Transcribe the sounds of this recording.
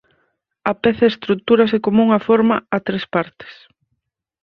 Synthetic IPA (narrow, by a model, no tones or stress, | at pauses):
ɐpɛθɐest̪ɾut̪uɾɐsɪkomuŋɐfɔɾmɐat̪ɾespaɾt̪ɪ̥s